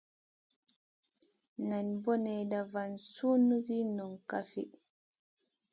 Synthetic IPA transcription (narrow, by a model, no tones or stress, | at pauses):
nanbɔnɛjdavansunuɡinɔnkafi